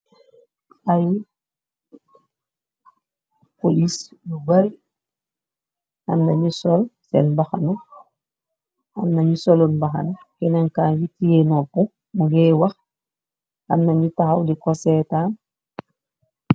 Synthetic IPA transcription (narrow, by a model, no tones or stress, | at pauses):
ʔaj | polisluɡaɾi | hamnaɲisɔlsɛ̰nbaxanu | hamnaɲisɔlonbaxa̰n | kɛnaŋkaːnjitijenɔpu | muɡɛwax | ha̰mnaɲitaxawdikɔsɛtaːn